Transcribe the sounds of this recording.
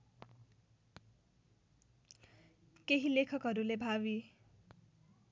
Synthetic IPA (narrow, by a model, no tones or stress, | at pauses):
keɦilekʰʌkɦʌɾulebʱawi